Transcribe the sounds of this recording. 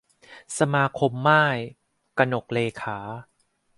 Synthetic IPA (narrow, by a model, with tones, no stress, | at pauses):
sa˧maː˧kʰo˧mːaː˥˩j | ka˧no˨˩k̚leː˧kʰaː˩˦